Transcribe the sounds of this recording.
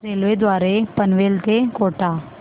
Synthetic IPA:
ɾeːlʋed̪waːɾepɐnʋeːlt̪ekoːʈaː

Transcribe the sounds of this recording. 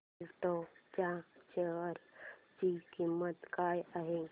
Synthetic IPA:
ʈot͡ʃãt͡ʃəɾd͡ʒikimːət̪kajaɦe

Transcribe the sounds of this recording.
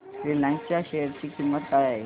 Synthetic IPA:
fɾilãnst͡ɕjaɕeəɾt͡ɕiːkimːət̪ae

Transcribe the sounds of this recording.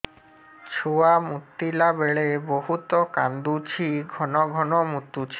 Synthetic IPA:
t͡ɕʰuamut̪ːilabeɭeboɦut̪okand̪ut͡ɕʰiɡʱɔnoɡʱɔnomut̪ːut͡ɕʰi̥

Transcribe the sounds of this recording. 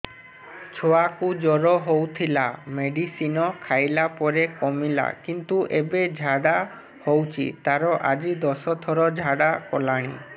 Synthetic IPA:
t͡ʃʰoakud͡ʒɔɾɔɦowt̪ʰilameɖisinɔkʰajlapɔɾekɔmila̰kint̪uʔebed͡ʒʱaɽa | howt͡ʃʰḭt̪aɾɔʔad͡ʒid̪ɔsɔt̪ʰɔɾɔd͡ʒʱaɽakɔlaɽ̃i

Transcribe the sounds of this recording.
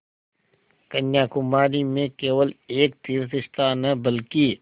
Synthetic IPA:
kɐnjaːkʊmaːlimẽkeːʋəleːk̚t̪iːɾsɪʃt̪anɐbəlki

